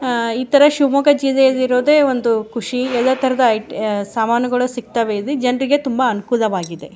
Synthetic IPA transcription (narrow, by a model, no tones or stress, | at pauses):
iːt̪ɐɾɐʃumoːɡɐd͡ʒiːlɛjɐlːiɾoːd̪e̞ːond̪ukuʂiɛlːɐt̪ʰɐɾɐd̪ɐjʈsaːmaːnɐɡɐɭusik̚t̪ɐʋeilːid͡ʒɐnɐɾiɡe̞t̪umbɐːnukulɐʋaːɡid̪e̞̰